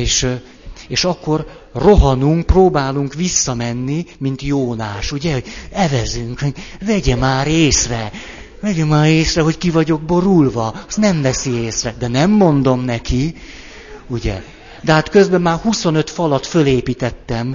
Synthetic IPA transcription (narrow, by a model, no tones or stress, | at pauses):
eːʃ | eːʃɒkːo̞r | ro̞ɦɒnuŋk̚proːbaːluŋkʋisːɒmɛnːimin̪t̪joːnaːʃuɟɛho̞ɟɛvɛzyŋkhoɟvɛɟɛmaːɾeːsrɛ | vɛɟɛmaːɾeːsrɛɦo̞ckivɒɟo̞ɡ̚bo̞ɾulvɒst̪nɛmvɛsieːsrɛd̪ɛnɛmːo̞nd̪o̞mnɛki | uɟɛ̰ | d̪ɛɦaːt̪kø̞zbɛmaːrhuso̞nøt̪fɒlɒt̪fø̞leːpit̪ɛt̪ːɛm